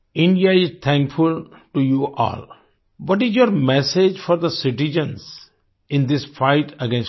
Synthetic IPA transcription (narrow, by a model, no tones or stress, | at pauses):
ɪ̃ɳɖiaɪzt̪ʰɛ̃ŋkfʊlʈujuʔɔ̰ːl | ʋɔʈɪzjoːɾmɛsed͡ʒfɔɾd̪əsɪʈɪd͡ʒə̃nz | ɪ̃nd̪ɪsfaɪʈəɡẽns